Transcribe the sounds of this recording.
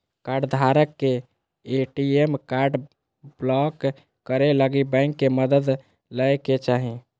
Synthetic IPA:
kaɾɖd̪ʱaɾəkːe | eʈiemkaɾɖ | blɔkː | əɾeləɡibɛ̃ŋkːeməd̪əd̪ | ləjket͡ʃaɦi

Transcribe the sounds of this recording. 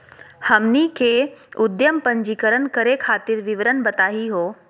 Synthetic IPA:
hɐmnikʰeːʊd̪jəmpə̃ɲd͡ʒikəɾənkəɾekʰaːt̪ɪɾʋɪʋəɾənbɐt̪aːɦiɦoː

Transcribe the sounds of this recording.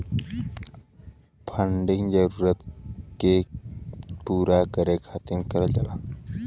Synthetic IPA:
pʰəɳɖiŋɡd͡ʑəɾuːɾət̪ke | puɾakəɾekʰat̪iŋkəɾəld͡ʑala

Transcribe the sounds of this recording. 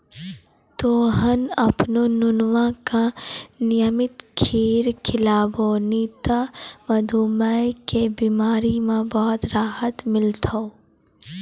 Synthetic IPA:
t̪oːɦənɐpnonʊnʋãkanɪjəmɪt̪kʰeːɾkʰɪlaːboniːt̪amɐd̪ʱuːməkebiːmaːɾimẽbɔːt̪ɾaːɦət̪mɪlt̪ʰo

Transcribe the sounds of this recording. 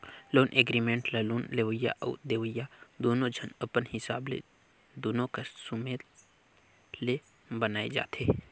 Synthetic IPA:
loːnʔeɡɾiːmẽːɳʈlɐluːnleʋəja̰ʔɔ̰ːd̪eːʋəjad̪oːnõd͡ʒʱənəpənɦɪsaːblḛ | d̪oːnõkəssumeː | le | bənaːed͡ʒa̰ːt̪ʰeː

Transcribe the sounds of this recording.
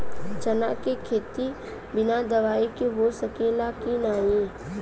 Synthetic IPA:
t͡ʃəna̰kekʰeːt̪i | bɪnad̪əʋaːikiʋosəkeːlakinaːɦĩː

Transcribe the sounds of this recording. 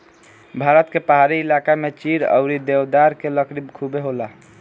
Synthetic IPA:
bʱaɾət̪kepaɦaɾiːlakamet͡ʃiɾə̰ʊɾid̪ewd̪aɾkeləkɾibkʰubeɦola

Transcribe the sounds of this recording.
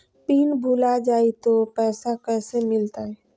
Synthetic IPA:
piːnbʱuːlad͡ʒaːit̪opɛːsakɛːsemɪlt̪aɦɛː

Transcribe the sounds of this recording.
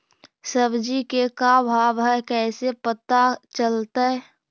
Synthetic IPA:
səbd͡ʒikekabʱaːʋɦɛkɛːsepət̪at͡ʃəlt̪aɛ

